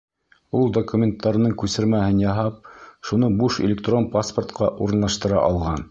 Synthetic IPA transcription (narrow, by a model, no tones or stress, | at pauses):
ulˠd̪okumʲent̪ʰːɑɾnɤɴkʉsɘ̆ɾmæhɘnjɑɦɑp̚ʃunɤbuʃɪ̰lʲɪkt̪ronpaspərt̪qɑʔuɾɤ̆nlˠɑʃt̪ɤ̆ɾɑ̰ʔɑlˠʁɑn